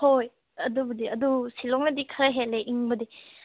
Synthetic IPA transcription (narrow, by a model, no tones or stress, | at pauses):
hoj | ɐdubɐdiɐdusilɔŋnɐdikʰɐɾɐɦeleʔiŋbɐdi